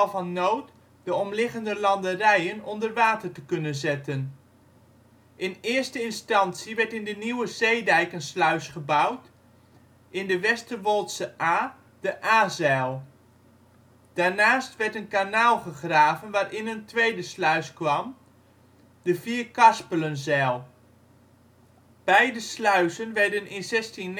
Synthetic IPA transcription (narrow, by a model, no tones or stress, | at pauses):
vɑnːoːt | dəɔmlɪχəndəlɑndərɛjənɔndərʋaːtərtəkɵnənzɪtən | ʔɪnɪːəɹstəɪnstɑntsiʋɛɹtɪndəniwəzejdɛjkənslœɥsχəbawt | ɪndəʋɛstəʋɔlˠtsəʔaː | d̥əʔaːzɛːlˠ | d̥aɹnaːstʋɛɹtənkanaːlˠχəχraːvənʋaːrʔɪnəntʋejdəslœɥskʋɑm | dəfiːɹkɑspələnzɛːlˠ | b̥ɛjdəslœɥsənʋɛɹdənɪnzɛstin